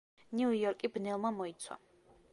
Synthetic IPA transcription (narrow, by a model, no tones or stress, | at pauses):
niujɔɾkʼibnɛlˠmamɔit̪sʰwa̰